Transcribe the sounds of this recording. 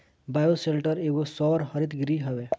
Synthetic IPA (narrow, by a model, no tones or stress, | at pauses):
bajoselʈəɾeɡosɔɾhʌɾit̪ɡɾiɦɛbe